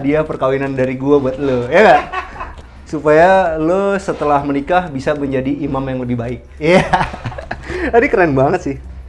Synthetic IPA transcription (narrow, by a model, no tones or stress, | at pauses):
diapərkawinandaɾiɡuabuat̪̚lojaŋɡaʔ | supajalosət̪əlahmənikahbisaməɲd͡ʒadiːmamjaŋləbɪhbaɪk̚ija | adikəɾanbaŋət̪̚sɪh